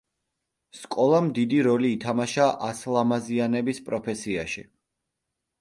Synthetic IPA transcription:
skʼɔlˠamd̪id̪iɾɔliːt̪ʰamaʃaʔaslˠamazianɛbispʼɾɔpʰɛsiaʃḭ

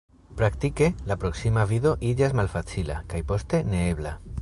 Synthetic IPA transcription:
pɾakt̪ike̞lapɾo̞ksimaviðo̞ʔid͡ʒazmalfat͡sila̰kajpo̞st̪e̞ne̞eβla

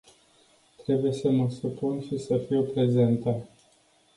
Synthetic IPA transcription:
t̪ɾe̞buje̞səməsupunʃisəfiwpɾe̞ze̞nt̪ə

